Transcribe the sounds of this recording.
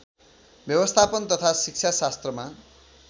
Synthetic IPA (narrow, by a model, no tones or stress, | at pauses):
bjʌbʌst̪ʰapʌnt̪ʌt̪ʰasik̚t͡sʰasast̪rʌma